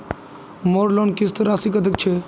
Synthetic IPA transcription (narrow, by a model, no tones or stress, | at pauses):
moːɾlonkist̪əɾaːsikəd̪ək̚t͡ʃʰe